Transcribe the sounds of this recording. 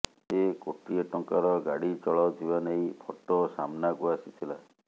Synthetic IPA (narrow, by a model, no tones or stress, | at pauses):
tekoʈieʈɔŋkaɾɔɡaɽit͡ʃɔɭawt̪ʰibaneĩpʰoʈosamnakuasit̪ʰila